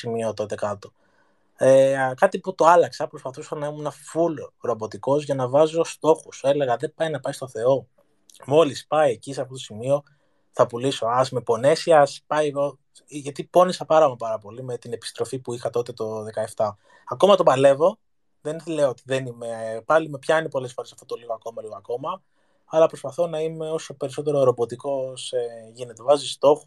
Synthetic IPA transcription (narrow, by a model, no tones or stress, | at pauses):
simio̞t̪o̞t̪e̞kɐt̪o̞ | ekɐt̪iput̪o̞ɐlɐksɐpɾo̞spɐθusɐnɐimunɐfulɾo̞bo̞t̪iko̞zʝɐnɐvɐzo̞st̪o̞xuse̞le̞ɣɐðe̞pɐjinɐpɐist̪o̞θe̞o̞ | mo̞lispɐiecisɐft̪ot̪o̞simio̞ | θɐpuliso̞ɐzme̞po̞ne̞siɐspɐjɣo | ʝɐt̪ipo̞nisɐpɐɾɐmɐpɐɾɐpo̞lime̞t̪ine̞pi̥st̪ɾo̞fipuixɐt̪o̞t̪e̞t̪o̞ðekɐe̞ft̪ɐ | ɐko̞mɐt̪o̞bɐle̞vo̞ | ðenleoot̪iðenime̞pɐlimepçɐinepo̞le̞sfo̞ɾesɐft̪ot̪o̞liɣo̞ɐko̞mɐliɣoɐko̞mɐ | ɐlɐpɾo̞spɐθo̞nɐime̞o̞so̞pe̞ɾiso̞t̪e̞ɾoeɾo̞bo̞t̪iko̞seʝine̞t̪evɐzist̪o̞xu